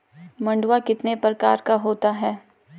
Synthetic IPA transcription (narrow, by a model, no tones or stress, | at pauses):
mɐ̃ɳɖwakɪt̪nepɾɐka̰ːɾkaɦoːt̪aɦɛː